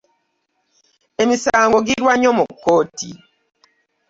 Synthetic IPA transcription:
emisaŋɡoɡiɾwaɲɔmokːoːtḭ

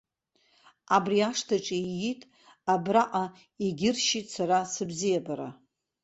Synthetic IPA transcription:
abriaʂtʰaʈ͡ʂʼijitʼ | abraʔʼa | iɡʲɪrʃitʼsaɾasɨbzijabaɾa̰

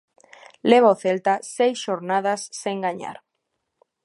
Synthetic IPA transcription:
leβ̞aoθelt̪asejsʃoɾnað̞asːeŋɡaɲa̰ɾ

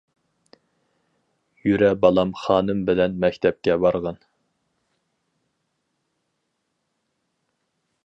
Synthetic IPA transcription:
jyɾɛbɑlˠɑmχɑːnɨmbɪlɛnmɛkʲt̪ʰɛp̚kʲɛbɑɾʁɑn

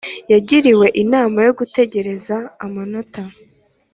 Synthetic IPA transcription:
jaɟiɾiwe̞ʔinaːmajo̞ɡute̞ɟe̞ɾe̞zaːmano̞tʰa

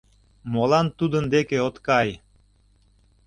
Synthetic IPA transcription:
molɑnt̪ud̪ənd̪ekeot̪kɑj

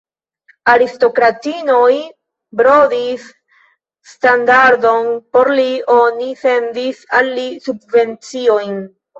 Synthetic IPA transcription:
aɾisto̞kɾatinoj | bɾodisː | tandaɾdo̞npo̞ɾlio̞nife̞ndisalːisubve̞nt͡sio̞jn

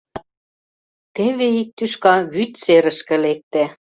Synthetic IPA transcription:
t̪eβeik̚t̪yʃkɑβyt̪t͡seɾə̆ʃkĕlek̚t̪e

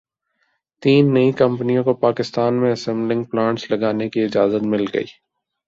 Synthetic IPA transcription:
t̪iːnːɐĩkɐ̃mpnijõkopaːkɪst̪aːnmẽɐsɛ̃mblɪ̃ŋɡ̚plãːɳʈslɐɡaːnekiɪd͡ʒaːzət̪mɪlɡɐ̰ḭː

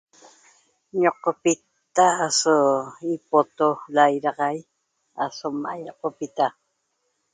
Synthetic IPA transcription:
ɲoqopit̪ːaːsoipot̪olajɾɑqɑj | asomajoqopit̪a

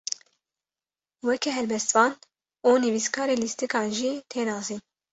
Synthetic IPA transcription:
wɛkʰɛɦɛlbɛst̪vɑːn | uːnɨviskʰɑːɾeːlist̪ikɑːnʒiːt̪ʰeːnɑːziːn

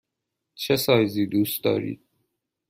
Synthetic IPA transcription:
t͡ʃʰesɑːjziːd̪uːst̪̚ɒ̰ːɾḭːd̪̥̚

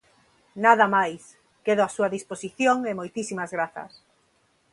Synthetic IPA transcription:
naðɐmajs | keðoasuɐðisposiθjoŋemojt̪isimazɣɾaθɐ̰s

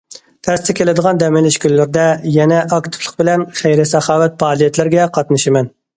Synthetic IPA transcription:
t̪ʰɛst̪ɛkʲʰelɪd̪əʁɑnd̪ɛmɪlɪʃkʲylːɪɾd̪ɛjɛnɛʔɑkt̪ʰɨ̥plˠəq̚bɪlɛnχejɾɪsɛχɑːwɛt̪̚pʰɑːlˠijɛt̪lɪɾɡʲɛqʰɑt̪nɨʃɪmɛn

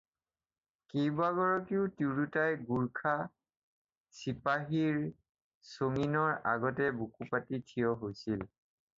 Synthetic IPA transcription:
kejbaɡɔɹɔkiʊtuɹutajɡuɹkʰa | sipaɦiɹ | soŋinɔɹaɡɔtɛbukupatitʰijɔɦojsil

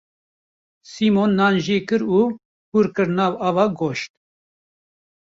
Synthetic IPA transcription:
simonːɑːnʒeːkɨɾuː | puːɾkɨɾnɑːvɑːvɑːɡoʃt̪̚

